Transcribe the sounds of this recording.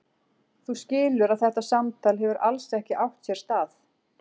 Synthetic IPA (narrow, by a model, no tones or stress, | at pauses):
θuscɪːlʏɾaðθɛht̪asamt̪ʰaːlhɛvʏɾʔalsɛhcɪʔawht̪sjɛɾ̥st̪aːθ